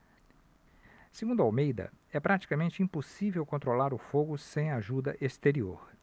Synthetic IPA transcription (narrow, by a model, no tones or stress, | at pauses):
seɡũnd̪ʊawmejd̪ɐ̰ɛpɾat͡ʃi̥kamẽnt͡ʃɪĩposivewkõnt̪ɾolaɾʊfoɡʊsẽj̃aʒud̪ɐʔest̪eɾio̰ɾ